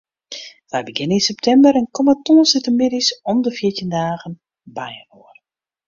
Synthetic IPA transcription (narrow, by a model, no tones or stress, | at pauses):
fɛjbəɡɪninsɛp̚tʰɛmbəɾənkɔmətoənsɪtəmɪdisɔmdəfjɪtjəndaːɣən | bajənoər